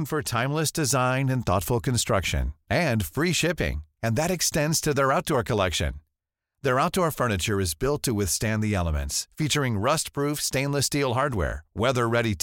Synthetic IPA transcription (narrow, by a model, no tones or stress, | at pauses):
nfə˞tʰãɪ̃mləsd̥ɨzãɪ̃nɨ̃nθɔ̰tfl̩ˠkɨ̃n̩stɹ̥ʌkʃɨ̰̃nɨ̃nfɹiʃɪpɪ̰̃ŋɨ̃nðɨɾɨkstɛ̃ndz̥tʰɨðə˞aʊt̚d̥ɔɹkʰəlɛkʃɨ̰̃n | ðə˞aʊt̚d̥ɔɹfɜ˞nɨt͡ʃə˞ɨzbɪlˠtʰɨwɪθstæ̃nðiɛlˠəmɨ̰̃ntsfit͡ʃə˞ɪ̃ŋɹʌstpʰɹ̥ufstẽɪ̃nləstilˠɦɑɹd̚wɛ̰ɹwɛðə˞ɹɛɾit